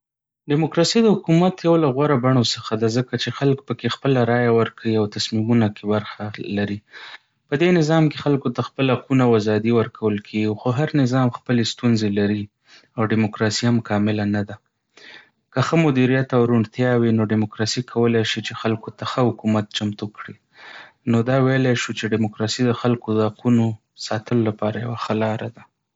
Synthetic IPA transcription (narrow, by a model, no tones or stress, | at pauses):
ɖɪmokɾɑsid̪əhʊkumat̪jawlaɣwaɾabaɳ̃osəxad̪azəkat͡ʃexalk̚pəkexpəlaɾɑjawəɾkʰawiawt̪asmimunakebaɾxalaɾi | pəd̪enɪzɑmkexalkot̪axpəlaqunawazɑd̪iwəɾkʰawəlkʰeɡixoɦaɾnɪzɑmxpəlest̪unzelaɾi | awɖɪmokɾɑsihamkɑmɪlanad̪a | kəxəmʊd̪iɾijat̪awɾuɳt̪jɑwinoɖɪmokɾɑsikʰawəlajʃit͡ʃexalkot̪axəhʊkumat̪̚t͡ʃamt̪ukɽi | nod̪ɑwejlajʃut͡ʃeɖɪmokɾɑsid̪əxalkod̪əhaquno | sɑt̪əlolapɑɾajawaxəlɑɾad̪a